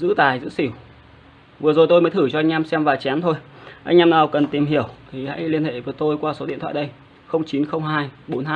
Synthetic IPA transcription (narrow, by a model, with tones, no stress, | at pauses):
zɨ̰˧˥t̪aː˨˩jzɨ̰˧˥si˧˩w | vɨ˨˩əzo˨˩jt̪o˧jməː˨˦t̪ʰɨ˧˩t͡ɕɔ˧ʔa˧jŋ̟aː˧msɛ˧mvaː˨˩t͡ɕa˨˦nt̪ʰo˧jʔa˧jŋ̟ʔaː˧mnaː˨˩wkə˨˩nt̪i˨˩mɦi˧˩əwt̪ʰi˨˩ha̰ː˧˥˦jli˧ənhḛ˧˨vəː˨˦əjt̪o˧jkwaː˧so˨˦ɗḭ˧ənt̪ʰa̰ː˧˨˩ɗə˧j | xə˧wŋ͡mt͡ɕi˨˦nxə˧wŋ͡mɦaː˧jɓo˨˦nhaː˧